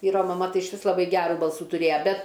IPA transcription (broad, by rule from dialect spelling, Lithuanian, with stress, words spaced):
ˈʋʲiːroː mɐˈmɐ ˈtɐɪ ɪʃʲˈʋʲɪs lˠɐˈbɐɪ ˈɡʲæːruː ˈbɐlˠsuː tʊˈrʲeːjɛ ˈbʲɛt